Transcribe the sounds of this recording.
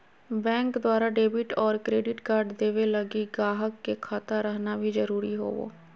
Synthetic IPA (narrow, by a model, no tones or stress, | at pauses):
bɛ̃ːŋkd̪waːɾaːɖeːbɪʈɔːɾkɾeːɖɪʈkəɾɖd̪eːʋeləɡiːɡaːɦəkːekʰaːt̪aɾəɦnabʱiːzəɾuːɾiːɦo̰ːʋo̰ː